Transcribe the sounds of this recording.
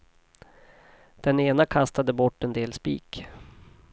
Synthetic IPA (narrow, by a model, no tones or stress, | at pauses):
d̪̥ɛneːnakʰast̪ad̪əbɔʈːɛnd̪eːlspḭːk